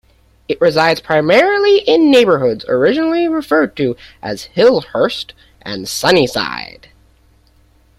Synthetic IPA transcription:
ɨʔɹɨzaɪdz̥pʰɹ̥aɪmɛɹl̩ˠiʔɪ̃nːeɪbə˞ɦʊdz̥ə̰˞ɪd͡ʒɨnl̩ˠiɹɨfɜ˞d̚tʰɨʔɨ̰z̥hɪlˠhɜ˞st | ʔɨ̰̃nsʌnisa̰ɪd̥

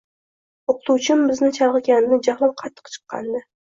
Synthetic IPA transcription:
oqʰɨ̥t̪uwt͡ʃʰɪmbɪznɪt͡ʃʰɑɾˠʁɨkʲannɪd͡ʒahlˠap̚qʰɑt̪ʰːɨ̥qt͡ʃʰɨ̥qːɑ̰nd̪ɪ

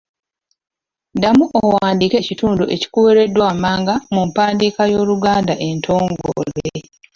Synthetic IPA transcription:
ndamuʔowaːndiːke̞cituːnduʔe̞ci̥kuweɾe̞dːwamaːŋɡamumpaːndiːkajo̞ːluɡaːndaʔe̞ntʰo̞ːŋɡo̰le

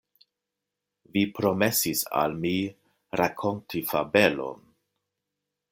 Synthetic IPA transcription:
vipɾo̞me̞sisa̰lmi | ɾakʰo̞ntʰifabe̞lo̞̰n

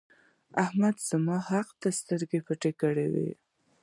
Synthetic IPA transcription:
ahmad̪z̥amɑhaqt̪ast̪əɾɡepəʈekəɽewḛ

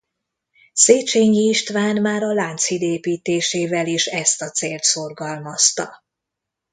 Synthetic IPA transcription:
seːt͡ʃeːɲiːʃt̪ʋaːnmaːɾɒlaːnt̪shid̪eːpiːt̪eːʃeːvɛleʃɛst̪ɒt̪seːlt̪so̞rɡɒlmɒst̪ɒ

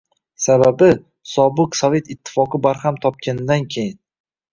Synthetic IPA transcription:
sababɪ | sɒbɨqsɒve̞t̪ɪt̪ʰːɪ̥fɒqɨbaɾhamt̪ʰɒp̚kʲanɪd̪ankʲʰe̞jɪn

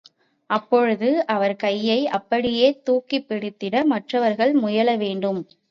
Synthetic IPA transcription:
ʔɐpːɔɻɯðɯʔɐʋɐɾkɐjːɐɪʔɐpːɐɽɪjeːt̪uːkːipːɪɽɪt̪ːɪɽɐmɐʈrɐʋɐɾɣɐɭmʊjɐlɐʋeːɳɖɯm

